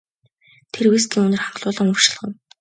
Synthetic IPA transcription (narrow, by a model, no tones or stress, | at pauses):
t̪ʰerweːs̬ɡiːŋɵnɵ̆rχaɴɢɮʊːɮə̆ŋɵr̥ʃɪ̆ɮʁə̆w̪